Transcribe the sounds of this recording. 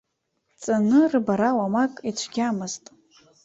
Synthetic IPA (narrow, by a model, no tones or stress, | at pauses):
t͡sʼanɨrɨbaɾawamakʼit͡ʃʷʰɡʲamɨztʼ